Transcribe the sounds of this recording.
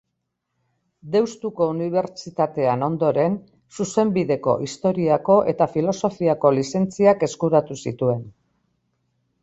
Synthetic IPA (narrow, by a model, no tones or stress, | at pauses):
d̪e̞wst̪uko̞uniβ̞e̞ɾt͡ʃit̪at̪e̞ano̞nd̪o̞ɾe̞n | suse̞mbiðe̞ko̞̰ʔist̪o̞ɾiako̞ʔe̞t̪afilo̞so̞fiako̞lise̞nt͡siake̞skuɾat̪usit̪ue̞n